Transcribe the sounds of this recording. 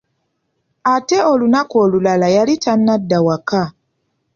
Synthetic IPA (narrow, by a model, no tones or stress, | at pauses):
ate̞o̞lunakoːlulalajalitanːadːawaka